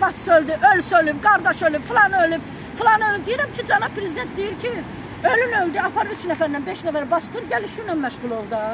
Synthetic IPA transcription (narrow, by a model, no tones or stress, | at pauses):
bɑt̪ʰsøld̪iʔølsølypɡɑɾd̪ɑʃølypfilˠɑnølyb | filˠɑnølyb̚d̪ijiɾæmcʰid͡ʒɑnɑb̚pʰːɾezid̪e̞nt̪̚d̪ijiɾcʰi | ølynøld̪iɑpʰɑɾyt͡ʃnæfæɾnænbeʃnæfæɾbɑst̪ɯɾɟæliʃynɑnmæʃʁulˠo̞lˠd̪ɯ